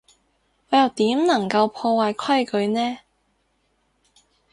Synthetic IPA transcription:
ŋɔː˨˧jɐ˨˩wt̪iː˨˥mnɐ˨˩ŋkɐ˧wpʰɔː˧waː˨jkʰɐ˥jkɵ˨˧ɥnɛː˥

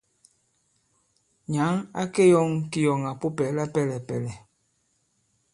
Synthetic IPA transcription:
ɲa˨˦ŋa̰˦ke˦jɔ˦ŋki˦jɔ˨ŋa˨po˦pɛ˨˦la˦pɛ˦lɛ˨pɛ˨lɛ˨

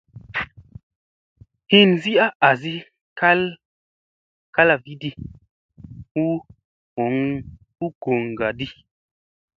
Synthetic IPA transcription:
hi˦nzi˦a˦ʔa˨zi˦ | ka˦l | ka˦la˨vi˦di˦ | u˦ | o˨ŋ | u˦ɡ̥o˨ŋ˨ɡa˨di˦

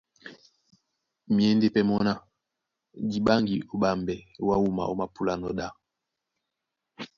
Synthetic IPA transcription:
mje˦nde˦pɛ˦mɔ˦na˦ | di˨ɓa˦ŋɡi˨o˨ɓa˨mbɛ˨˦wa˦wu˦ma̰˨o˦ma˨pu˦la˦nɔ˨ɗa˦˨

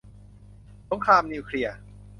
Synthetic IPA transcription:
so˨˦ŋkʰaː˧mniː˧wkʰɾi˧ɐ

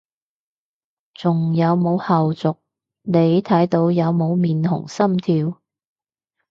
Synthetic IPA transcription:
t͡sʊ˨˩ŋjɐ˨˧wmo˨˧whɐ˨wt͡sʊ˨k̚ | ne˨˧jt̪ʰɐ˨˥jt̪o˨˧wjɐ˨˧wmo˨˧wmiː˨nhʊ̰˨˩ŋsɐ˥mt̪ʰiː˧w

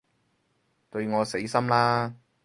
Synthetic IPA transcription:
t̪ɵ˧ɥŋɔː˨˧se˨˥jsɐ˥mlaː˥

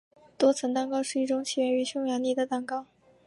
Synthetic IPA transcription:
t̪wɔ˥t͡sʰə˧˥nt̪ɑ˥ŋkɑ˥ʊʂɻ̩˥˧i˥˩ʈ͡ʂʊ˧˥ŋt͡ɕʰi˨˩ɥɛ˧˥y˧˥ɕjʊ˥ŋjɑ˧˥ŋni˥˩d̪ə˧t̪ɑ˨˩ŋkɑ˥ʊ

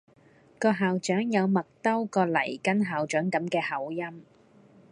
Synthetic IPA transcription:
kɔː˧ɦaː˨wt͡ʃœː˨˥ŋjɐ˨˧wmɐ˨k̚t̪ɐ˥wkɔː˧lɐ̰˨˩jkɐ˥nɦaː˨wt͡ʃœː˨˥ŋkɐ˨˥mkɛː˧hɐ˨˥wjɐ˥m

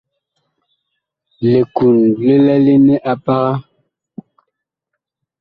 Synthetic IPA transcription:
le˨ku˨n˦le˦lɛ˦le˦ne˦ʔa˦pa˦ɣa˦

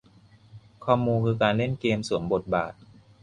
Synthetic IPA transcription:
kʰɔː˥˩muː˧nkʰɯː˧kaː˧nle˥˩nkeː˧msu˨˩˦mbo˨˩t̪̚ba̰ː˨˩t̪̚

